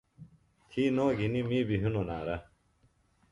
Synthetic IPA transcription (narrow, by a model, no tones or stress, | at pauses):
t̪ʰiːnoːɡinimiːbiɦunonaːɾɐ